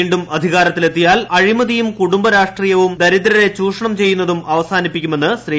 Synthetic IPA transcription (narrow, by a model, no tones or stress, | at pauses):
ɳɖumɐd̪ʱiɣaːɾɐt̪ːile̞t̪ːijaːlɐɻimɐðijumkuɽumbɐɾaːʂʈriːjɐʋumd̪ɐɾit̪ːɾɐɾe̞t͡ɕuːʂɐɳɐmt͡ɕe̞jːun̪ːɐðumɐʋɐsaːnipːikʲːume̞nːɨɕriː